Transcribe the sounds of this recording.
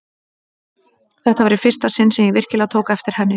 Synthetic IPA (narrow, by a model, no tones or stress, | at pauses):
θɛht̪avɛɾɪ̥fɪr̥st̪asɪnsɛmjɛvɪr̥cɪlawt̪ʰoːwkaɛft̪ɪɾ̥hɛnːɪ